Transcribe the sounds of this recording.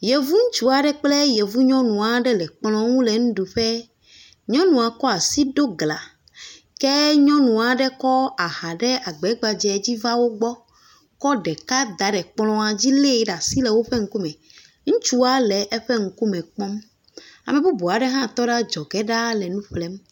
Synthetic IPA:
jɛ˨vu˦ŋ̩̃˦t͡ʃu˦a˨ɖɛ˦k͡plɛ˦jɛ˨vu˦ɲɔ̃˦nũ˨a˨ɖɛ˦lɛ˨k͡plɔ̃˦ŋũ˦lɛ˨ŋũ˦ɖu˨ɸɛ˦ | ɲɔ̃˦nũ˨a˨kɔ˦a˨si˦ɖo˦ɡla˨ | kɛ˦ɲɔ̃˦nũ˨a˨ɖɛ˦kɔ˦a˨ha˨ɖɛ˦ʔa˨ɡ͡bɛ˨˦ɡ͡ba˨d͡ʒɛ˨d͡ʑi˦va˦wo˦ɡ͡bɔ˦ | kɔ˦ɖɛ˨ka˦d̪a˨ɖɛ˨k͡plɔ̃˦a˨d͡ʑi˦le˦ɖa˨si˦lɛ˨wo˦ɸɛ˦ŋ̩˦ku˦mɛ̃˨ | ŋ̩̃˦t͡ʃu˦a˦lɛ˨ʔɛ˦ɸɛ˦ŋ̩˨ku˦mɛ̃˨k͡pɔ˦m | a̰˨mɛ˨bu˦bo˨a˨ɖɛ˦ɦã˦˨t̪ɔ˦ɖa˦d͡ʒɔ˨kɛ˦ɖa˦lɛ˨nũ˦ɸlɛ˦m

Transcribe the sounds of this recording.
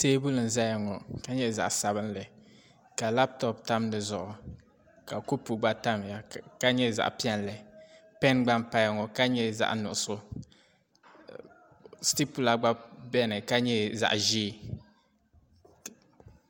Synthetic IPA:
teː˦bu˦lɨ˨n̩˨za˦ja˨ŋɔ˨ka˦ɲɛ˦za̰˨ʔsa˨bɨ˦nlɨ˨ | ka˨la˦p̚tɔ˨pta˦mnɨ˨zʊ˨ʔʊ˨ | ka˨ku˦pu˨ɡ͡ba˦ta˦m˨a˨ka˦ɲɛ˦za̰˨ʔpi˦ɛ˦n˨lɨ˨pɛ˦nɡ͡ba˦mpa˦jŋɔ˨ka˦ɲɛ˦za̰˨ʔnʊ˨ʔʊ˨sʊ˦ | sti˦pu˦la˨ɡ͡ba˦bɛ˦nɨ˨ka˦ɲɛ˦za̰˨ʔʒiː˦˨

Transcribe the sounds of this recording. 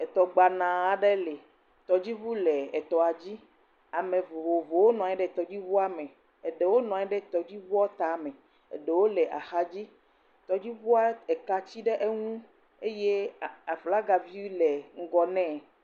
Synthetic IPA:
ɛ˨t̪ɔ˨ɡ͡ba˨nã˨a˨ɖe˦le˨ | t̪ɔ˨d͡ʑi˦vu˦le˨e˨t̪ɔ˨a˨d͡ʑi˦ | a˨mẽ˨vo˨vo˨vo˨wo˦nɔ̃˨a˨˦ɛ̃˦ɖɛ˦˨t̪ɔ˨d͡ʑi˦vu˦a˦mẽ˨ | e˨ɖe˨wo˦nɔ̃˨a˨˦ɛ˦ɖɛ˦t̪ɔ˨d͡ʑi˦vu˦ɔ˦t̪a˨mɛ̃˨ | ḛ˨ɖe˨wo˦lɛ˨ʔa̰˨xa˦d͡ʑi˦ | t̪ɔ˨d͡ʑi˦vu˦a˦e˨ka˨t͡ɕi˦ɖe˦ʔe˦ŋũ˦ | e˦je˦a˨fla˦ɡa˨vi˦lɛ˨ŋ̩˦ɡɔ˨nɛ̃˦

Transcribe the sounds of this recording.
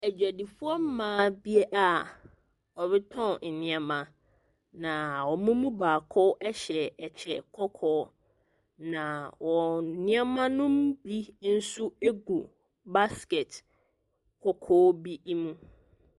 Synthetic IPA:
æ˨d͡ʑᶣæ˨di˨fu˦ɔ˦m̩˦mãː˨˦bi˦e˦ʔa˨ | ɔ˨βɪ˦tʰɔ̃˦˨nɪ̃˦ɛ˦mã˨ | nã˨wɔ˨mũ˦mũ˦baː˨kʰɔ˦ʔɛ˦ɕɛ˨ɛ˨t͡ɕʰɛ˨kʰɔ˦kʰɔː˦ | nã˨wɔ˨nɪ̃˦a˦mã˦nʊ̃˦mbi˦n̩˦sʊ˦e˦ɡu˨ | ba˦ske˨t | kʰɔ˨kʰɔː˦bi˦i˦mũ˦

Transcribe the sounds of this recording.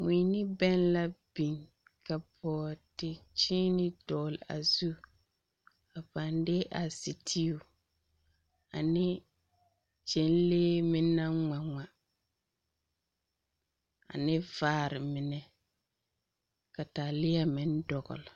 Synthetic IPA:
mi˨˦nɪ˦bɛ˦nla˦bi˨ŋ | ka˨bɔː˨tɪ˨t͡ʃiː˦nɪ˦dɔː˨la̰˨zu˦ | a˨pa˨ndɪ˦ʔa˨si˨tʰi˦u˨ | a̰˨nɪ˦ | t͡ʃɛ˦n˦leː˦mɪ˦nːa˦ŋa˨ŋa˨ | a̰˨nɪ˦vaː˦˨ɾɪ˨mɪ˨nɛ˨ | ka˨ta˨lɪ˦a˦mɪ̃˦n˦dɔ˨ɡɔ̰˨lɪ˨

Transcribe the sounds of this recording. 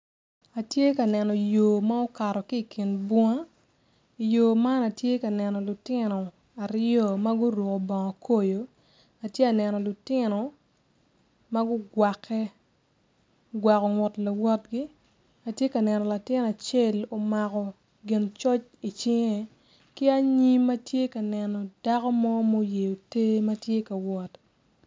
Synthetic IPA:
a˨tje˦ka˨nɛ˨nɔ˨jo˨ma˦o˦ka˨ɾɔ˨ki˦˨kʰɪ˨nbwɔ˦a˦ | i˨jo˨ma˦na˨tje˦ka˨nɛ˨nɔ˨lʊ˨tɪ˦nɔ˨ | a˨ɾɔ˦˨ma˦ɡʊ˦ɾwo˨ko˨bɔ˨ŋɔ˨kʰo˦jo˨ | a˨tje˦a˨nɛ˨nɔ˨lʊ˨tɪ˦nɔ˨ | ma˦ɡʊ˦ɡwa˨kʰːɛ˦ | ɡwa˨kɔ˨ŋɔ˨tla˨wɔ˦t̚ɡi˦ | a˨tje˦kɐ˨nɛ˨nɔ˨la˨tɪ˦n˨a˨t͡ʃe˦lo˨ma˨kɔ˨ | ɡɪ˨nt͡ʃɔ˦t͡ʃi˨t͡ʃɪ˦ŋe˦˨ | kɪ˦a˦ɲi˦mɐ˦tje˦ka˨nɛ˨nɔ˨da˦kɔ˦mɔ˦mo˦je˨o˨te˦mɐ˦tje˦ka˨wɔ˨t

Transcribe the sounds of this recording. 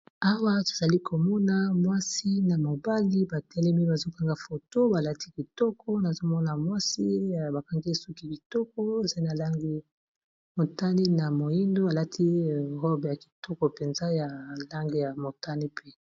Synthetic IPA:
a˦wa˦to̥˨za˨li˦kʰo˨mɔ˦na˦mwa˦si˦na˨mo˨ba˦li˦ba˨tɛ˦lɛ˦mi˦ba˨zo˦ka˦ŋɡa˨fo˨to˦ba˨la˦ti˦ki˨tɔ˦kʰɔ˦na˨zo˦mɔ˦na˨mwa˦si˦˨ba˨ka˦ŋɡe˦su˦ki˦bi˨tɔ˦k̚ɔ˦e˨za˦na˨la˦ŋɡi˦ | mo˨ta˦ni˦na˨mo˨ji˦ndo˦a˨la˦tʰi˦˨ʁɔ˦bja˨ki̥˨tɔ˦kɔ˨pe˨nza˦ja˨la˦ŋɡe˦ja˨mo˨ta˦ni˦pʰe˦

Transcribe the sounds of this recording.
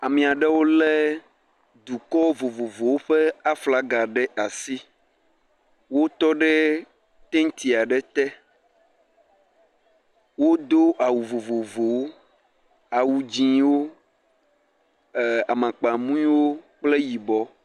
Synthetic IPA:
a˨mĩ˨a˨ɖɛ˦wo˦lɛ˦ | d̪u˨kɔ˦vo˨vo˨vo˨wo˦ɸɛ˦a˦fla˦ɡa˨ɖɛ˦ʔa˨si˦ | wo˦t̪ɔ˦ɖɛ˦ | t̪e˦ŋ̩˦t̪i˨a˨ɖɛ˦t̪ɛ˦ | wo˦d̪o˦ʔa˨wu˨vo˨vo˨vo˨wo˦ | a˨wu˨d͡ʒĩ˨wo˦˨ | a˨mã˨k͡pa˨mũ˦ĩ˦wo˦k͡ple˦ji˨bɔ˦

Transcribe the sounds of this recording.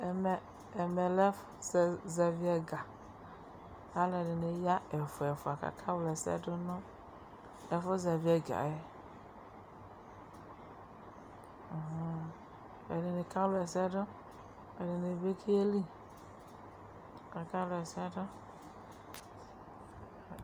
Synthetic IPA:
m˨ | e˨me˨lɛ˦fse˨zɛ˨vi˦ɛ˨ɡa˨ | a˦le˨ɖe˨ne˨ja˦e˨fo˨ɛ˨fo˨a˨ka̰˨kʰa˦wlɛ˨sɛ̰˦ɖo˦nɔ̃˦ | e˨fo˦zɛ˨vi˦ɛ˨ɡa̰˨jɛ˦˨ | ɦ̩˦ | ḛ˨ɖe˨ne˨ka˦wlɛ˨sɛ˦ɖo˦ | e˨de˨ne˨ve˦kʰi˦e˦li˦ | a˨ka˦lo˨ɛ˨sɛ˦ɖo˦˨

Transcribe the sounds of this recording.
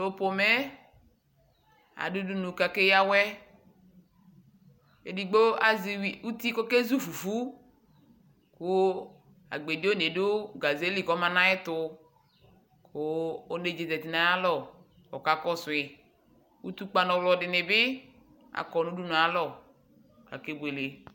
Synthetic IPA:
lo˦po˨mɛ˦ | a̰˨du˦du˦nũ˨ka˨ke˦ja˦wɛ˦ | e˨di˨ɡ͡bo˦a˨zi˨wi˨u˦t̪i˦kɔ˦ke˦zu˦fu˨fu˦ | kʊ˦ | a̰˨ɡ͡be˨di˦o˦ne˨dʊ˦ɡa˨ze˦li˦˨kɔ˦mã˦nã˦ɪ˦t̪ʊ˦ | kʰʊ˦o˦ne˨d͡ʒe˨tɛ˨t̪i˨nã˦a˦lɔ˦ | wɔ˨ka˦kɔ˦sʊ˨ɪ˨ | wu˦t̪u˦k͡pa˦nɔ̃˨wlɔ˨dɪ˨nɪ˨bɪ˦ | a̰˨kɔ˨nũ˦du˦nũ˨a˨lɔ˦˨ | ka̰˨ke˦bu˨e˨le˨

